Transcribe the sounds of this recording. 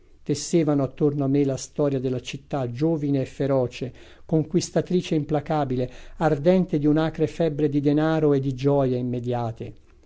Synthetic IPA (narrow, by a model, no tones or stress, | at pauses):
t̪esːeːvanoat̪ːornoamːelast̪ɔːɾjad̪elːat͡ʃit̪ːad͡ʒoːvineːfːeɾɔːt͡ʃe | koŋkwist̪at̪ɾiːt͡ʃeimplakaːbileard̪ɛnt̪ed̪iunakɾefɛbɾed̪id̪enaːɾoed̪ːid͡ʒɔːjeimːed̪jaːt̪e